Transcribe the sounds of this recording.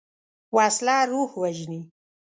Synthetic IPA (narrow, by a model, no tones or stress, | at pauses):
wɑːslɑːɾuhwaʒni